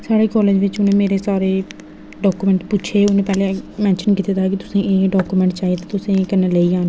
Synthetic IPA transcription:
saːɽeːkɔːleːd͡ʒʋɪt͡ʃʊnẽːmeːɾeːsaːɾeː | ɖɔːkuːmɛ̃ːɳʈpʊt͡ʃʰeːʊnẽːpɛːlẽːmɛ̃ːnʃənkɪt̪eːt̪aːkɪt̪ʊsẽːʔeːɖɔːkuːmɛ̃ɳʈt͡ʃaːiet̪ãt̪ʊsẽkəneːləiːaːn

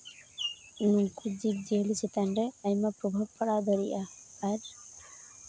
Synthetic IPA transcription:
nuŋkud͡ʒik̚d͡ʒelisit̪anɾɛajmapɾɔbʱab̚pʰaɽad̪ɔɾiʔaːɾ

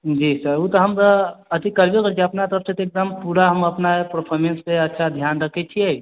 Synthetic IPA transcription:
d͡ʒisəɾut̪ɔɦəmt̪ɔət̪ikəɾbekəɾt͡ʃʰiəpnat̪əɾəpset̪ek̚d̪əmpuɽaɦəməpnaepəɾpʰɔɾmenspeətːʃʰad̪ʱjanɾəkʰɛt͡ʃʰiɛ

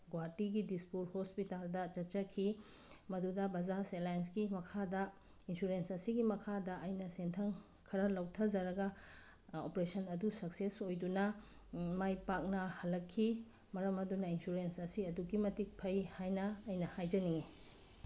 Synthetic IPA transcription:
ɡwaɾtiɡidispuɾhospitaldɐt͡ʃɐt͡ʃɐkʰi | mɐdudɐbɐzaselajnsɡimɐkʰadɐ | insuɾensɐsiɡimɐkʰadɐɐjnɐsentʰɐŋ | kʰɐɾɐlɐwtʰɐd͡ʒɐɾɐɡɐ | opɾesɐnɐdusɐksesojdunɐ | majpak̚nɐhɐlːɐkʰːi | mɐɾɐmɐdunɐinsuɾensɐsiɐduɡimɐtik̚pʰɐjhajnɐːjnɐhajd͡ʒɐniŋi

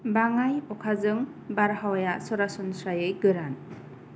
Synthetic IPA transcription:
baŋajɔkʰazɯŋ | baɾɦawajasɔɾasɔnsɾajɯjɡɯɾan

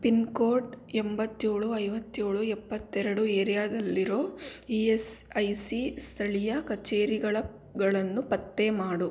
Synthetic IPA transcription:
pinkoːɾʈɛmbɐt̪ːeːɭuɐjʋɐt̪ːeːɭuɛpːɐt̪ːɛɾɐɽueːɾijaːd̪ɐlːiɾo̞ːiesɐjsist̪ʰɐɭijɐkɐt͡ʃeːɾiɡɐɭɐ | ɡɐɭɐnːupɐt̪ːe̞maːɽu

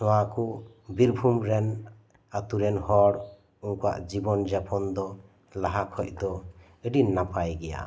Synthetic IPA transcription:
sɔwaku | biɾbʱumɾɛn | at̪uɾɛnhɔɾ | uŋkua̰ʔd͡ʒibɔnd͡ʒapʰɔnd̪ɔ | laɦakʰɔc̚d̪ɔ | əɖinːapʰajɡɛja̰

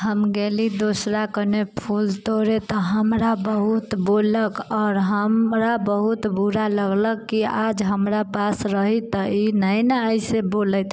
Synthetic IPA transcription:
ɦəmɡelid̪osɾakənepʰult̪oɾet̪ɔɦəmɾabəɦut̪boləkɔːɾɦəmɾabəɦut̪buɾaləɡləkːiad͡ʒɦəmɾapasɾəɦit̪ɔinəjnəəjsebolət̪

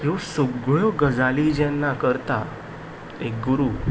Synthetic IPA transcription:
kisoɡɭjɔɡəd͡zalid͡ʑjanːakəɾt̪a | ek̚ɡuɾuː

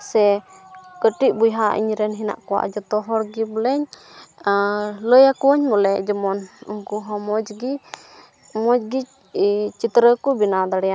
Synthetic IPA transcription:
sɛ | kəʈiʔ̚bujɦaʔḭɲɾɛnɦina̰ʔkɔwa̰ʔd͡ʒɔt̪ɔɦɔɽɡibəlɛɲ | ləjakuɔɲmɔlɛd͡ʒɔmɔnuŋkuɦɔ̃mɔd͡ʒɡi | mɔd͡ʒɡi | t͡ʃit̪ɾəkubinad̪aɽɛja

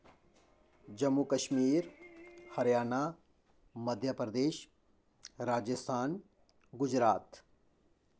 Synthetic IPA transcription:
d͡ʒɐmːukɐʃmiːɾhɐɾjaːna | mɐd̪ʱjapɾəd̪eːʃ | ɾaːd͡ʒəst̪ʰaːn | ɡʊd͡ʒɾaːt̪

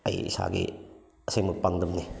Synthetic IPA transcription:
a̰jḭsa̰ɡḭ | ɐsajmɐpaŋdɐmni

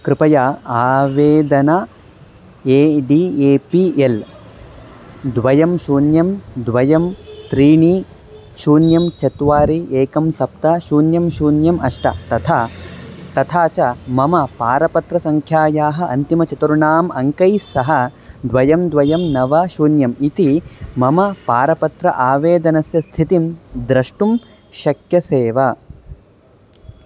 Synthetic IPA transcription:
kɾɪpɐjaaːʋeːd̪ɐna | eːɖieːpiʔel | d̪ʋɐjɐmʃuːnjɐmd̪ʋɐjɐmt̪ɾiːɳi | ʃuːnjɐmt͡ʃɐt̪ʋaːɾiʔeːkɐmsɐpt̪ɐʃuːnjɐmʃuːnjɐmɐʂʈɐ̰t̪ɐt̪ʰa | t̪ɐt̪ʰaːt͡ʃɐmɐmɐpaːɾɐpɐt̪ɾɐsɐŋkʰjaːjaːɦɐ̆ʔɐnt̪imɐt͡ʃɐt̪uɾuɳaːmɐŋkɐjsɐɦɐd̪ʋɐjɐmd̪ʋɐjɐmnɐʋɐʃuːnjɐmit̪imɐmɐpaːɾɐpɐt̪ɾɐ̰ʔaːʋeːd̪ɐnɐsjɐst̪ʰit̪imd̪ɾɐʂʈum | ʃɐkjɐseːʋɐ

